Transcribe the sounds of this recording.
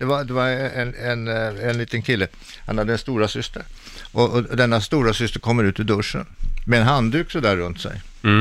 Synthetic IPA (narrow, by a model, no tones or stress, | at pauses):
d̪̥ɛvad̪ɛvaɾɛʔɛnɛnɛnliːt̪ənkʰɪlːə | hanhad̪ːəɛnst̪uːɾasʏst̪əɾ | ʔɔɔd̪ɛnːast̪uːɾasʏst̪əɾkʰɔmːəɾʉt̪ɪd̪ɵʂə̰nmɛɛnɦand̪ʉ̟ːksɔd̪æɾːɵnt̪sɛ̰j